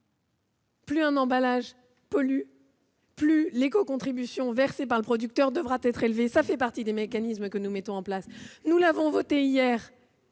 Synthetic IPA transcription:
plyɛ̃nɑ̃balaʒ | pɔly | plylekɔkɔ̃t̪χibysjɔ̃vɛʁsepaʁləpχɔd̪yk̚t̪œʁd̪əvʁat̪ɛt̪χelvesafɛpaʁt̪id̪emekanismkənumɛt̪ɔ̃ɑ̃plasnulavɔ̃vɔt̪eijɛːʁ

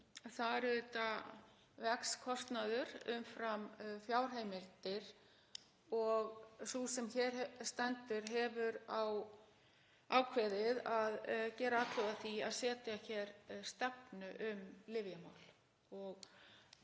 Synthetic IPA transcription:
θaɾʏt̪a | vɛkskʰɔst̪naðʏɾʏ̰mfɾamfjaːwr̥ɦeːjmɪlt̪ɪɾ̥ | ɔɣsusɛmçɛɾ̥st̪ɛnt̪ʏɾ̥ɦɛvʏɾaw | aːwkʰvɛðɪðaðcɛːɾaaːt̪ʰlɛɣðaθiaðsɛːt̪jaçɛɾst̪ɛpnʏʔʏmlɪvjama̰ːwl̥ | ɔɣ

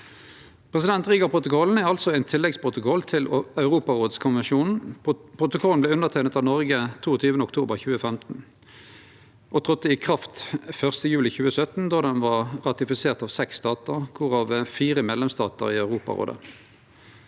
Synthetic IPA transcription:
pʰʁɛsɪd̪ɛnt̪ʁiːɡɑpʰʁʊt̪ʊkʰɔln̩æʁɑlsɔæɪnt̪ʰɪlːɛɡspʰʁʊt̪ʊkʰɔlt̪ʰɪlœʉʁuːpɑʁoːd̪skʰʊnʋɛnʃuːnn̩pʰʁʊt̪ʊkʰɔln̩b̪ɛːʉnəʁt̪ʰæɪnət̪ɑːʋnɔʁɡət̪ʰuːɔt̪ʰyːʋənəʊkt̪ʰuːbəʁçʉːəfɛmt̪n̩ | ʔot̪ʰʁɔt̪ːəikʰʁɑft̪fœʁst̪əjʉːlɪçʉːəsœt̪n̩d̪ɑːd̪ɛnʋɑːʁʁɑt̪ɪfɪseːʁt̪ɑːʋsɛkst̪ɑːt̪əʁkʰʊʁɑːʋəfiːʁəmeːd̪lɛmst̪ɑ̰ːt̪ə̰ʁiːœʉʁuːpɑ̰ʁo̰ːd̪ə̰

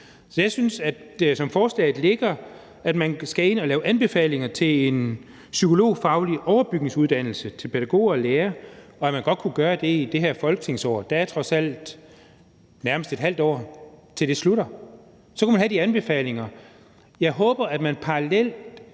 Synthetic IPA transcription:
sɒ̽jɑ̈ɪsynsæd̥sɒ̽mfɒːslɛ̰ɪð̩ˠle̝ɡ̥ɐ | æd̥mænsɡ̥æe̝nɒ̽lɛːʊʔænb̥e̝fɛ̰ːle̝ŋɐt͡sʰe̝le̝n | sykʰo̝lo̝̰ːfɑ̈ʊliʔɒʊɐb̥yɡ̥ne̝ŋsuð̞ˠd̥æn̰l̩sət͡sʰe̝lpʰeɾ̥æɡ̥o̝̰ːɒleːɐɒ̽æmænɡ̥ɒ̽d̥̚kʰuɡ̥ɶːɐd̥e̝id̥e̝ɦæɐ̰fɒ̽lɡ̥ə̥t͡sʰe̝ŋsɒ̰ːd̥ææɐt͡sʰʁɒ̽sæl̰d̥ | næɐməsd̥e̝d̥ɦæl̰d̥ɒ̰ːt͡sʰe̝ld̥e̝sluɾ̥ɐ | sɒ̽kʰumænɦhædiænb̥e̝fɛ̰ːle̝ŋɐ | jɑ̈ɪɦɔ̽ːb̥ɐæd̥mænpʰɑ̈ʁɑlel̰d̥

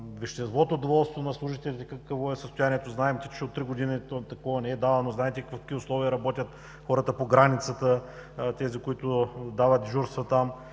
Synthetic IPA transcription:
vɛʃt̪ɛst̪vɔt̪oːd̪ovɔlˠst̪vonɐslˠuʊʒit̪ɛlʲit̪ɛkɐkəvoɛsəst̪ʊjaniɛt̪oznaɛmt̪ʲi̥t͡ʃɛot̪ːɾiɡod̪init̪t̪ɐkɔvɐnɛɛd̪alˠənoznaɛt̪ɛkkfkkiʊslˠɔviəɾɐbɔt̪ʲət̪ | xɔɾət̪əpoɡɾanit̪sət̪ət̪ɛzikʊit̪ʊd̪avət̪ʒuɾst̪vɐt̪am

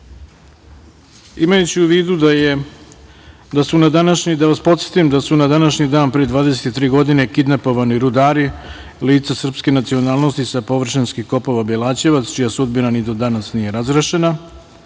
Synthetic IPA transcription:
imajut͡ɕiuʋiːd̪ue | d̪asunad̪anaʃɲid̪aʋaspo̞t̪set̪imd̪asunad̪anaʃɲid̪aːnpɾejed̪ʋaːd̪eset̪t̪ːɾiːɡo̞d̪ine̞kid̪napo̞ʋaniɾud̪aːɾi | liːt̪sasr̩pske̞nat̪sio̞naːlˠno̞st̪isapo̞ʋr̩ʃinskixko̞po̞ʋabelaːt͡ɕe̞ʋat̪st͡ʃijasud̪binanid̪od̪anasnije̞ɾazɾaʃe̞na

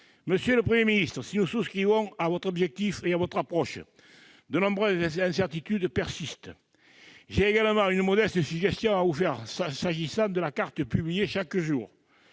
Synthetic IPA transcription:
məsjøləpχəmjeminist̪ʁəsinususkχivɔ̃avɔt̪ʁɔbʒɛk̚t̪ifeavɔt̪χapʁɔʃ | d̪ənɔ̃bʁɛzɛzɛ̃sɛʁt̪it̪yd̪pɛʁsist̪ə | ʒeːɡaləmɑ̃ŋynəmɔd̪ɛst̪əsyʒɛst̪jɔ̃ŋavufɛʁsasaʒisɑ̃d̪əlakaʁt̪əpyblijeʃakəʒuʁ

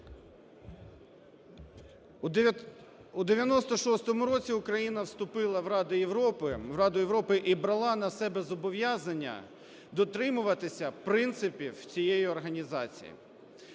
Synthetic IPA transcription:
ud̪eʋʲjɐnɔst̪ɔʃɔst̪ɔmʊɾɔt͡sʲiʊkɾɐjinɐwst̪ʊpɪlˠɐwɾɑd̪ɪjeʋɾɔpɪɾɑd̪ʊjeʋɾɔpɪʔibɾɐlˠɑnɐsɛbɛzɔbɔʋjaznɐnʲːɐ̰ | d̪ɔt̪ɾɪmʊʋɐt̪ɪsʲɐpɾɪnt̪sɪpʲiwt͡sʲijejiɔrɦɐnʲizɑt͡sʲḭjḭ

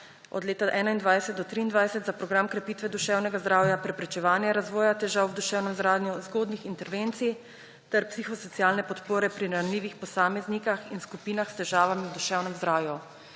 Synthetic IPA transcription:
ɔ̰d̪leːt̪aʔɛːnaind̪ʋaːjsɛt̪d̪ɔt̪ɾiːnd̪ʋajsɛt̪zapɾɔɡɾamkɾɛpiːt̪ʋɛd̪uʃɛːwnɛɡazd̪ɾaːwjapɾɛpɾɛt͡ʃɛʋaːnjɛɾazʋɔːjat̪ɛʒawd̪uʃɛːwnɛmzɾaːd̪njuzɡoːd̪nixint̪ɛɾʋent̪sij | t̪ɛɾpsiːxɔsɔt̪sijaːlnɛpɔt̪poːɾɛpɾiɾɾanliːʋixpɔsaːmɛznikaxinskupiːnaxst̪ɛʒaːʋamiwd̪uʃɛwnɛmzd̪ɾaːwju

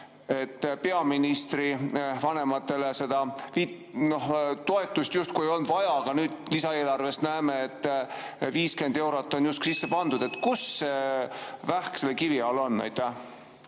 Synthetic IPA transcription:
e̞t̪ːpe̞ɑminist̪ɾivɑne̞mɑt̪ːˑe̞lese̞d̪̥ɑvit | no̞ht̪o̞e̞t̪ːˑust̪just̪̚kujejo̞lnd̪vɑjɑɑɡ̥ɑnyːd̪̥lisɑe̞ːlɑrve̞st̪næemeet̪ː | viːske̞nd̪e̞wɾot̪ːˑo̞njust̪ksisːe̞pɑnd̪ud̪̥e̞t̪ːkusːevæhkse̞lːekiviɑːlo̞nnæ̰jt̪ːˑæ

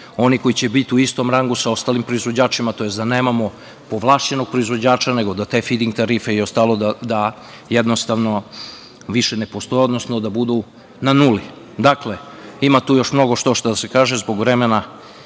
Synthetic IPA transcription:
o̞niko̞it͡ɕe̞bit̪iuist̪o̞mɾaŋɡusao̞st̪aːlimpɾo̞izʋo̞d͡ʑaːt͡ʃimat̪o̞je̞sd̪aneːmamo̞ | po̞ʋlˠaːʃt͡ɕe̞no̞ɡ̥̚pɾo̞izʋo̞d͡ʑaːt͡ʃane̞ɡo̞d̪at̪e̞fid̪iŋɡ̚t̪aɾife̞io̞st̪aːlˠod̪ad̪a | jed̪nost̪aʋno̞ | ʋiʃe̞nepost̪ojeo̞d̪nosnod̪abud̪u | nanuli | d̪akle̞ | imat̪uːjo̞ʃmno̞ɡo̞ʃt̪oʃt̪ad̪ase̞kaːʒezbo̞ɡʋɾemena

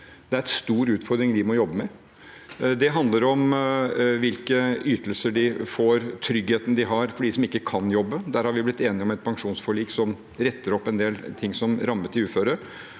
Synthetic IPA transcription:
d̪̥ɛæɾɛt̪st̪uːɾʉːt̪fɔɾd̪ɾɪŋʋɪmɔjɔbːəmɛ | d̪ɛɦɑnd̪ləɾɔm | ʋɪlkəyːt̪əlsəɖɪfoːɾt̪ʰɾʏɡheːt̪nəd̪ɪɦɑɾfɔɖisɔmɪkːəkʰɑnjɔbːəd̪æɾhɑɾʋɪblɪt̪ːeːnɪɔmɛt̪̚pʰɑŋʂuːnsfɔɭiːksɔm | ɾɛt̪ːəɾɔpːɛnd̪eːlt̪ʰɪŋːsɔmɾɑmːət̪ʰɪʉːføːɾəɾ

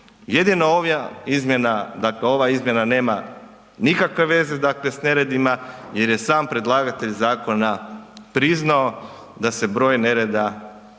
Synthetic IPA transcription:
je̞d̪inooʋjaizmje̞nad̪akle̞o̞ʋaizmje̞nane̞ːma | nikakʋe̞ʋe̞ze̞d̪akle̞sne̞ɾe̞d̪imaje̞ɾje̞saːmpɾe̞d̪lˠaːɡat̪e̞ʎzaːko̞napɾiznao̞ | d̪ase̞bɾo̞ːjne̞ɾe̞d̪a

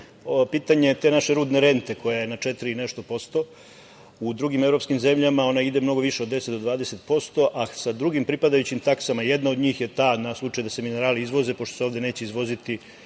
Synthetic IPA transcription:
opiːt̪aɲe̞t̪eːnaʃe̞ɾuːd̪neɾe̞nt̪e̞ko̞jajenat͡ʂet̪iɾiine̞ʃt̪o̞po̞st̪o̞ | ud̪ɾuɡimevɾo̞pskimze̞mʎamao̞naid̪e̞mno̞ɡo̞ʋiʃeod̪d̪e̞set̪d̪ʋaːd̪ese̞t̪po̞st̪o̞ʔasad̪ɾuɡimpɾipad̪ajut͡ɕimt̪aksamajed̪naod̪ɲiːxje̞t̪aːnaslˠut͡ʂajud̪ase̞mineɾaːliizʋo̞ze̞po̞ʃt̪oseoːvd̪e̞ne̞ːt͡ɕeizʋo̞zit̪i

